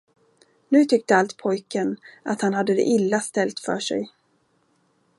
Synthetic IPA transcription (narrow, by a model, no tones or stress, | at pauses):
nʉ̟ːt̪ʰʏk̚t̪əalt̪pʰɔjkənat̪hanhad̪ːəd̪ɛ̰ʔɪlːast̪ɛlt̪fœ̰ːʂɛ̰j